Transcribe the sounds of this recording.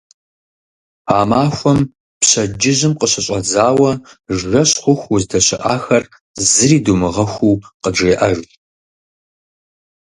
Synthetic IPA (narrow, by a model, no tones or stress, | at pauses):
aːmaːxʷɔm | pɕɐd͡ʒɪʑɪmqəɕɐɕʼɐd͡zaːwɐʒɣɐɕχʷʊxʷwʊzdɐɕɪʔaːxɐr | zɨriːdumɨʁɐxʷuːqəʈ͡ʂeːʔɐʒ